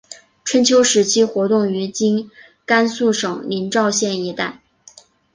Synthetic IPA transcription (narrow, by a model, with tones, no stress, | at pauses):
ʈ͡ʂʰwə˧˥nt͡ɕʰjo˧˥ʊʂɻ̩˧˥t͡ɕʰi˥xwɔ˧˥t̪ʊ˥˩ŋy˧˥t͡ɕi˥n | ka˥nsu˥˩ʂɤ˨˩ŋli˧˥nʈ͡ʂɑ˥˧ʊɕjɛ˥˩ni˧˥t̪a˥˩ɪ